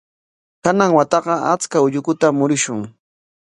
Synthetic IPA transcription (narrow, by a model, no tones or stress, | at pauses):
kanaŋwat̪ɑɢɑa̰t͡skaʊʎʊkʊt̪amʊɾɪʃʊŋ